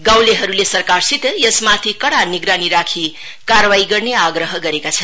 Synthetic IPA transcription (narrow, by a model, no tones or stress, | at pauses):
ɡawleɦʌɾulesʌrkarsit̪jʌsmat̪ʰikʌɽaniɡɾaniɾakʰi | karwaiɡʌrneaɡɾʌɦʌɡʌɾekat͡sʰʌn